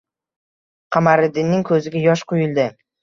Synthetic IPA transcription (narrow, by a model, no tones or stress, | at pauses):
qʰamaɾɪd̪ɪnːɪŋkʰɵzɪɡʲajɒʃqʰojɪlˠd̪ɪ